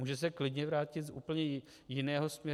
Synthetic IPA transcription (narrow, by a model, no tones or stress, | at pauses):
muːʒɛs̬ɛklɪdɲɛvɾaːcɪt̪zʔṵːpl̩ɲɛ | jɪnɛːɦo̞smɲɛ